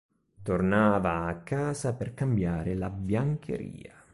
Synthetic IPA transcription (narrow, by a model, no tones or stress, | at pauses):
t̪ornaːvaːkʰːaːzaperkambjaːɾɪlabjaŋkʰḛɾḭːa